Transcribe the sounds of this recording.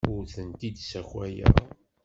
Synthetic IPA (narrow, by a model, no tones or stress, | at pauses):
ʊɾθənt̪id̪sæçwæjæ̰